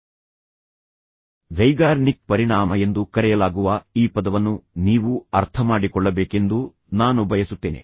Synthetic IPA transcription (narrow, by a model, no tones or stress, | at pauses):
ʋɐjɡaːɾnik̚pɐɾiɳaːmɐe̞nd̪ukɐɾɛjɐlaːɡuʋɐiːpɐd̪ɐʋɐnːuniːʋuɐɾt̪ʰɐmaːɽikɔɭːɐbeːke̞nd̪u | naːnubʱɐjɐsut̪ːeːnḛ